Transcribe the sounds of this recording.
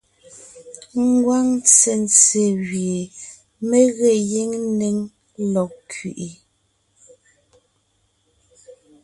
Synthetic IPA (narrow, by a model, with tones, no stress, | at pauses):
ŋ˦ɡwa˦ŋt͡se˨nt͡se˨ɣje˨ | me˦ɣe˨je˦ŋne˦ŋ | lɔ˨kʰɥi˨ʔi˨